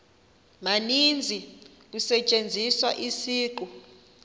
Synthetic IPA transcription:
manind͡zʱi | k̬usɛt͡ʃʼend͡zʱiswaʔisiːǃu

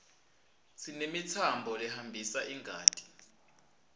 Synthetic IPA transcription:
sʰinemit͡sʰambʱɔlɛhambʱisaʔiŋʱaːtʼi̥

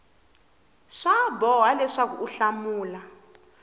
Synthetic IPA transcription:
ʂabɔwalɛʂakuʔuɬamuːla

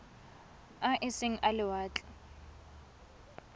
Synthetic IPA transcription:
aʔɪsɪŋ̩ʔalɪwaːt͡ɬʼɛ

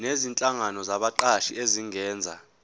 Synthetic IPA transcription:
nezint͡ɬʼaŋanɔzaɓaǃaʃieziŋɛːnd͡zʱa̰

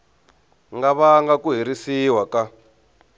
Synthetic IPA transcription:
ŋɡaβaŋɡakuɦiɾisiwaka

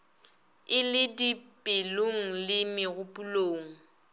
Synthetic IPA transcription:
ɪlɪdipʼɪloŋ̩lɪmɪɣʊpʼuloːŋ̩

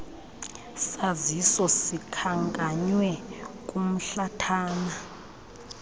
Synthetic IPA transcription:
sazisɔsikʰaŋɡʼaɲwɛkʼum̩ɬatʰaːna

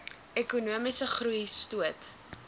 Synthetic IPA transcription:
ekunuəmisəχrujstuət

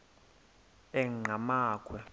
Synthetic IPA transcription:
ɛŋŋ͡ǃamaːkʼwɛ

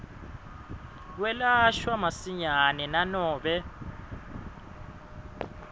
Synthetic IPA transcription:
k̬wɛlaʃwamasiɲanɛnanɔːɓɛ

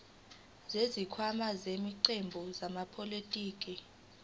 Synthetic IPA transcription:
zezikʰwamazemiǀembʱuzamapʰʼolitʼiːkʼi

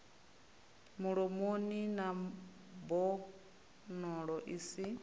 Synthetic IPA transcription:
muɺɔmonina | bɔ | nɔɺɔʔisi

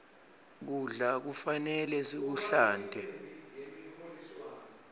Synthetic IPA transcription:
k̬uɮak̬ufanɛlɛsik̬uɬaːndʱɛ

